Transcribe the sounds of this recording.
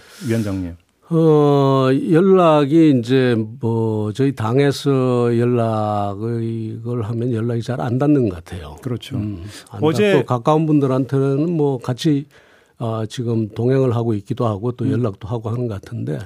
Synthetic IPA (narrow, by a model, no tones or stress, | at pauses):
ʌnd͡ʑaŋɲe | ʌ | jʌɭːaɡiːnd͡ʑe̞mʌt͡ɕʌitaŋe̞sʰʌjʌɭːaɡɡɯɭɦamjʌnjʌɭːaɡit͡ɕaɾa̰ndanːɯnɡʌk͈atʰe̞jo̰kɯɾʌt͡ɕʰoa̰naeokak͈aunbundɯɾantʰeonɯnmwʌkat͡ɕʰi | at͡ɕiɡɯmtoŋɦeŋɯɭɦaɡoik͈idohaɡot͈ojʌɭːak̚t͈oɦaɡoɦanɯnɡʌkatʰɯnde̞